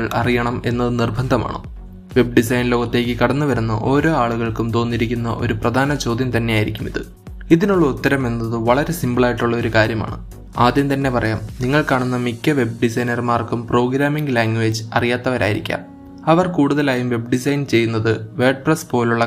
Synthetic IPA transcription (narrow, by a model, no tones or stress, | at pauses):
ɭɐrijɐɳɐme̞nːɐðɨnirbʱɐnd̪ʱɐma̰ːɳo̰ | ʋe̞b̚ɖisɐjnlo̞ːɣɐt̪ːe̞ːkʲːɨkɐɽɐnːuʋɐɾunːɐ̰ʔo̞ːɾo̞ːaːɭuɣɐɭkumt̪o̞ːnːiɾikʲːunːɐ̰ʔo̞̰ɾuprɐd̪ʱaːnɐt͡ɕo̞ːd̪jɐmt̪ɐnːe̞jaːjiɾikʲːumiðɨ | iðinuɭːɐut̪ːɐɾɐme̞nːɐðɨʋɐɭɐɾesimbɐɭaːjiʈːuɭːɐo̞ɾukaːɾjɐma̰ːɳɨ̰ | aːd̪jɐmt̪ɐnːe̞pɐrɐjaːmniŋːɐɭkaːɳunːɐmikʲːɐʋe̞b̚ɖisɐjnɐrmaːrkumpro̞ːɡɾaːmiŋɡɨlaːŋɡʋeːd͡ʑɨɐ̰rijaːt̪ːɐʋɐɾa̰ːjiɾḭkʲːa̰ːm | ɐʋɐrkuːɽuðɐlaːjumʋe̞bɖisɐjnt͡ɕe̞jːunːɐðɨʋeːɖ̚prɐspo̞ːluɭːɐ